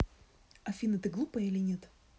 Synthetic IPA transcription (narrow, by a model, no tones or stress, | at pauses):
ɐfʲinɨt̪əɡlˠupəilʲɪnʲet̪